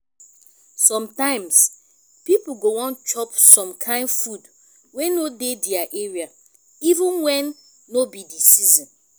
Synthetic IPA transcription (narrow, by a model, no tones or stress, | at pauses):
sɔ̃mtãɪ̃ms | pipuɡowɔ̃nt͡ʃɔpsɔ̃mkʰãɪ̃ndfud | wenodediaʔeɹia | ivĩnwɛ̃nː | obidisizĩn